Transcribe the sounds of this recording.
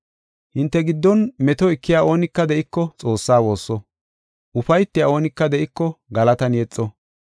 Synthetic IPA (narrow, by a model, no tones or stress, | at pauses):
hɪnt̪ːɛɡɪd̪ːɔnmɛt̪ɔɪkːɪjaːoːnɪkːɐd̪ɛʔɪkːɔt͡sʼo̞ːsːaːwo̞ːsːɔ | ʔʊfɐjt̪ːɪjao̞ːnɪkːɐd̪ɛʔɪkːɔɡɐlɐt̪ɐnjɛt͡sʼːɔ